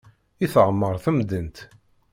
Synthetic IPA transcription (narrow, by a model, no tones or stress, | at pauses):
iθəʁmːəɾˤθəmd̪ənt̪